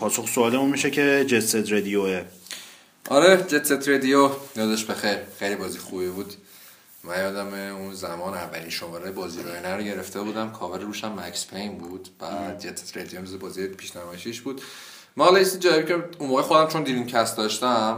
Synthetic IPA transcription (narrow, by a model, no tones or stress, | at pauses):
pʰɒːsoχsoɒːlemunmiʃecʰed͡ʒet̪set̪ɾed̪ijoe | ʔɒɾed͡ʒet̪set̪ʰɾed̪ijonijɒd̪ɒʃt̪bexejɾχejlibɒːziːxubibuːd̪ | mæjɒːd̪æmeunzæmɒːnævːæliːnʃomɒɾɒjebɒːziːɾɔ̰jenæɾɟe̞ɾeft̪ʰebuːd̪æmkʰɒːveɾɾuːʃæmːæcspʰejnbuːd̪̥b̥æ̰ɾmæd͡ʒet̪se̥t̪ɾed̪ijomezebɒːzijepʰiːʃnæmɒːjeʃiʃb̥uːd̪̥ | mælejist̪ind͡ʒæːvebicʰeunmoːɣexo̞d̪æmt͡ʃʰo̞nd̪iːɾincʰæst̪d̪ɒːʃt̪æm